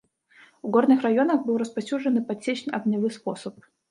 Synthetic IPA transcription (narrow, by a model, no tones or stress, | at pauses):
vɡornɨxrɐjo̞nəxbɨlˠrəspɐsʲuʐɨnɨpɐsʲet͡ɕnʲʔɐɡnʲɪvɨsposəp̚